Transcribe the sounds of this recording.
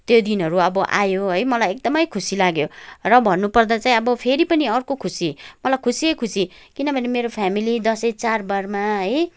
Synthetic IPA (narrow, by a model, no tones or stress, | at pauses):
t̪jod̪inʌɾuʌbʌʔa̰joɦʌjmʌlajek̚d̪ʌmʌjkʰusilaɡjorʌbʱʌnːupʌrd̪at͡saĩʌbʌpʰeɾipʌniʌrkokʰusimʌlajkʰusiejkʰusikinʌbʱʌnemeɾopʰamilid̪ʌsʌit͡sarbarmaɦʌj